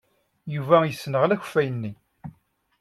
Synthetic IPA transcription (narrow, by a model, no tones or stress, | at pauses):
juvæjəsːnəʁlæç̥fæjənːi